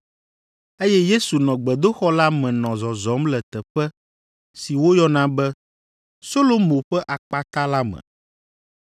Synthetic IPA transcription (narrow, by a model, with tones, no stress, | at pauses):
e˦jɛ˦je˦su˨nɔ̃˨ɡ͡bɛ˨d̪o˦xɔ˦la˦mɛ̃˨nɔ̃˨zɔ˨zɔ˨˦mlɛ˨t̪ɛ˨ɸɛ˦ | si˨wo˦jɔ˦nã˦bɛ˦ | so˦lo˦mõ˨ɸɛ˦ʔa˨k͡pa˦t̪a˦la˦mɛ̰̃˨